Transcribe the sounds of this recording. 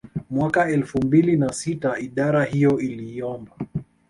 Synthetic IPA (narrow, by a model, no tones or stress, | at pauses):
mwakaɛlfumbilinasitaiɗaɾahijɔiliːɔmba